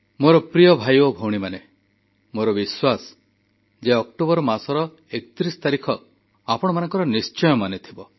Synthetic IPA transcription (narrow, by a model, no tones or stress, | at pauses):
moɾɔpɾijɔbʱajobʱowɽ̃imane | moɾɔbiswasɔ̥ | d͡ʒeɔkʈobɔɾɔmasɔɾɔ | ekɔ̥t̪ɾisɔ̥t̪aɾikʰɔ | apɔɽ̃ɔmanɔŋkɔɾɔnist͡ʃɔjɔmanet̪ʰibɔ